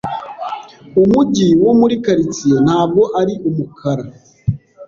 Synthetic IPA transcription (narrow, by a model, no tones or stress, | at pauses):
umuɟiwomuɾikaɾit͡sijen̥haːb̚ɡo̞ʔaɾiʔumukʰaɾa